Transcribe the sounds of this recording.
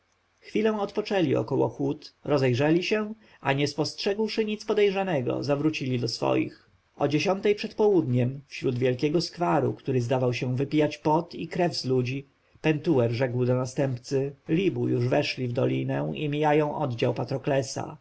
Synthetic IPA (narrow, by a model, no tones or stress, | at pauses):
xfʲilɛ̃w̃ɔt̪pɔt͡ʂɛlʲiɔ̰kɔwɔ̰xut̪ɾɔzɛjʐɛlʲiɕɛ | aɲɛspɔstʂɛɡwʂɘɲit̪spɔd̪ɛjʐanɛɡɔ̰zavɾut͡ɕilʲid̪ɔsfɔ̰jḭx | ɔd͡ʑeɕɔnt̪ɛjpʂɛt̪pɔwud̪ɲɛmfɕɾud̪vʲjɛlkʲɛɡɔskfaɾṵkt̪uɾɘzd̪avawɕɛ̃vɘpʲijat͡ɕpɔt̪ikɾɛvzlud͡ʑi | pɛnt̪uwɛɾʐɛkwd̪ɔnast̪ɛmpt̪sɘlʲibujuʐvɛʂlʲivd̪ɔlʲinɛw̃ḭmʲijajɔ̃w̃ʔɔd̪d͡ʑawpat̪ɾɔklɛsa̰